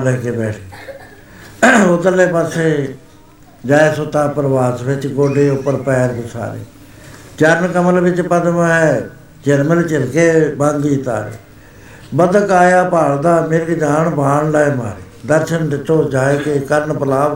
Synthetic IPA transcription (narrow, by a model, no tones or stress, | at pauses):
lɛːkeːbɛːʈʰe | ʊd̪əleːpəseː | d͡ʒaːeːsʊt̪aːpəɾʋaːsʋɪt͡ʃɡoːɖeːʊpːəɾpɛːɾɡ̪ʊsʰa̰ːɾḛː | t͡ʃəɾnkəməlʋɪt͡ʃpəd̪mɦɛ | d͡ʒɛɾməlt͡ʃɪlkeːbãːnd̪iːt̪a̰ːɾḛː | bəd̪kaːjaːpaːɭd̪aːmeɾkd͡ʒaːɳbaːɳləːeːma̰ːɾeːd̪əɾʃənɖɪt͡ʃoːd͡ʒaːeːk̪ekəɾnpəlaː